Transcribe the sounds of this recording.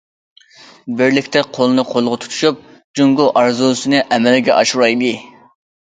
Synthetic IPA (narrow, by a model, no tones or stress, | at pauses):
bɪɾlɪkʲt̪ʰɛqʰolˠɨnɨqʰolˠʁɑt̪ʰu̥t̪ʰu̥ʃup̚ | d͡ʒuŋɡʊʔɑɾzusɨnɨʔɛmɛlɡʲɛ̰ʔɑʃuɾɑjd̪ɨ